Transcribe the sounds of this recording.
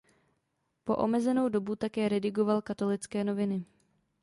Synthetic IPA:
po̞̰ʔo̞mɛzɛno̞wdo̞but̪akɛːɾɛdɪɡo̞valkat̪o̞lɪt͡skɛːno̞vɪnɪ

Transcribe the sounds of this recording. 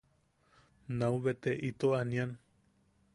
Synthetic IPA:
nauβet̪eʔit̪oanian

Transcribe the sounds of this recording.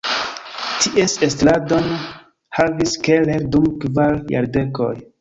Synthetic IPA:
tʰiʔesestladon | haviskeleɾdumkvalja̰ɾde̞ko̰j

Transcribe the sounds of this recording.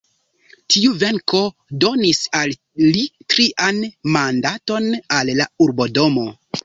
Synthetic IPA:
tʰiuve̞ŋko̞ | do̞nisalː | itɾiʔanmandato̞nalːauɾbo̞do̞mo̞

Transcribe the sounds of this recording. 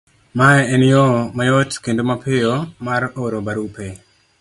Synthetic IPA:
maɛɛnjomajotkendomapɪjomaɾoɾobaɾupe

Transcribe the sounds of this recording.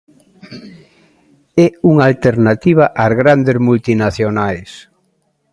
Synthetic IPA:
ɛuŋalt̪eɾnat̪iβ̞aʔazɣɾand̪ezmult̪inaθjonajs

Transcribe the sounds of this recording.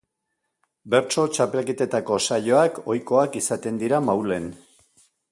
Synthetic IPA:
be̞ɾt͡ʃo̞t͡ʃape̞lkit̪e̞t̪ako̞saʎo̞akʰo̞jko̞akisat̪e̞nd̪iɾamawle̞n

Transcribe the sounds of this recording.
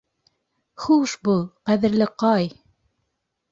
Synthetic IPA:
χuʃbulˠqæðɘ̆ɾlɘqɑj

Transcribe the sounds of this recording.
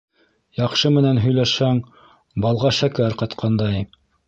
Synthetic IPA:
jɑqʃɤmɘ̆nænɦɵ̆jlæʃhæŋ | bɑlˠʁɑʃækæɾqɑt̪qʰɑnd̪ɑj

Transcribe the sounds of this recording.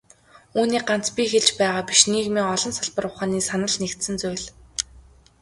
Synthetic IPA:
uːniːɢan̥t͡spʲixeɮt͡ɕpæːʁaːpiʃniːɣmeːɔɮɞ̆nsaɮpə̆rʊχaːniːsanə̆ɮnekt̪sɘ̆nt͡sʊjɮ

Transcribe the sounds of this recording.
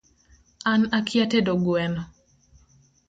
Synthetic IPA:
anakʰjatedoɡwɛnɔ

